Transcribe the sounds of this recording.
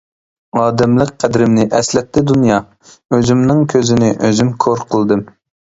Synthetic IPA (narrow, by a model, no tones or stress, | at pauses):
ɑːd̪ɛmlˠəqqʰæd̪ɾɪmnɪʔɛslɛt̪ːɪd̪unjɑ | øzymnɨŋkʲʰøzɪnɪʔøzymkʰoɾqʰəlˠd̪ɨm